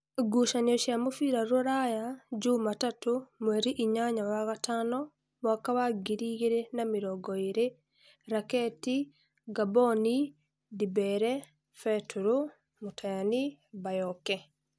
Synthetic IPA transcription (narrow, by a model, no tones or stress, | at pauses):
ɡuʃaniɔʃjamofiɾaɾoɾajad͡ʒumatatomwɛɾiʔiɲaɲawaɣatanɔ | mwakawaɡiɾiɣiɾenamiɾɔɡɔiɾe | ɾakɛti | ɡabɔni | dibɛɾɛ | fɛtuɾu | mutajanibajɔkɛ